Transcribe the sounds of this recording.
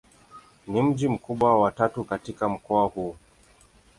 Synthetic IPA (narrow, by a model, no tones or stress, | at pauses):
nim̩d͡ʒim̩kuɓwawatatukatikam̩kɔahuː